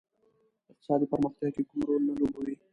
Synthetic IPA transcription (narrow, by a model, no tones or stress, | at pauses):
ɪq̚t̪ɪ̥sɑd̪ipəɾməxt̪jakekʊmɾolnalobawi